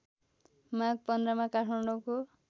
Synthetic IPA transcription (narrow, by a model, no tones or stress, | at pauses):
maɡ̚pʌnd̪ɾʌmakaʈʰmaɳɖoko